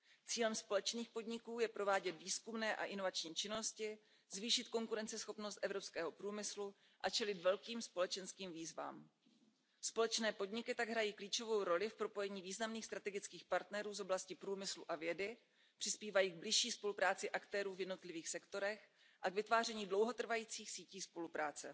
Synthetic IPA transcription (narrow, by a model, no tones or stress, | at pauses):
t͡siːlɛmspo̞lɛt͡ʃniːxpo̞dɲɪkuːjɛpɾo̞vaːɟɛt̪viːskumnɛːʔa̰ʔɪno̞vat͡ʃɲiːt͡ʃɪno̞scɪ | zviːʃɪt̪ko̞ŋkuɾɛnt͡sɛsxo̞pnost̪ʔɛvɾo̞pskɛːɦo̞pɾuːmɪslu | ʔat͡ʃɛlɪt̪vɛlkiːmspo̞lɛt͡ʃɛnskiːmviːzva̰ːm | spo̞lɛt͡ʃnɛːpo̞dɲɪkɪt̪aɡɦɾajiːkliːt͡ʃo̞vo̞wɾo̞lɪfpɾo̞po̞jɛɲiːviːznamniːxst̪ɾat̪ɛɡɪt͡skiːxpaɾt̪nɛɾuːzo̞blascɪpɾuːmɪsluʔavjɛdɪ | pr̥ɪspiːvajiːɡ̚blɪʃiːspo̞lupɾaːt͡sɪʔakt̪ɛːɾuːvjɛdnot̪lɪviːxsɛkt̪o̞ɾɛx | ʔaɡvɪt̪vaːrɛɲiːdlo̞wɦot̪r̩vajiːt͡siːxsiːciːspo̞lupɾaːt͡sɛ